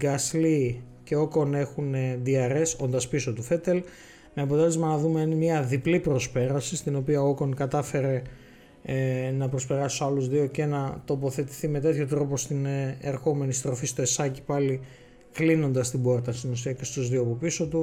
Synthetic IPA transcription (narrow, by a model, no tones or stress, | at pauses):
ɡɐsli | ce̞o̞ko̞ne̞xuned̪iɐɾe̞so̞nd̪ɐspiso̞t̪ufe̞t̪e̞l | meɐpot̪e̞lezmɐnɐðumenmɲɐðiplipɾo̞spe̞ɾɐsist̪ino̞piɐooko̞nkɐt̪ɐfe̞ɾe̞ | nɐpɾo̞spe̞ɾɐsoɐluzðio̞ce̞nɐt̪o̞po̞θe̞t̪i̥θime̞t̪e̞t̪ço̞t̪ɾo̞po̞st̪ineɾxo̞me̞nist̪ɾo̞fist̪o̞esɐci̥pɐli | klino̞nd̪ɐst̪ibo̞ɾt̪ɐst̪inosiɐce̞st̪uzðiopupiso̞t̪u